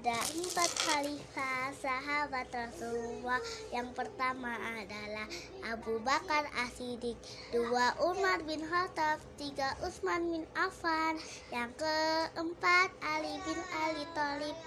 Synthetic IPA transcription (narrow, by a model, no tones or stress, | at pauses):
adaʔəmpat̪̚xalifasaɦabat̪ɾasulmajaŋpərt̪amaːdalah | ʔabubakara̰sidɪk̚ | duaʔumarbɪnɦat̪aft̪iɡaʔusmanbɪnafarjaŋkəəmpat̪̚alibɪnalit̪ɔlɪp̚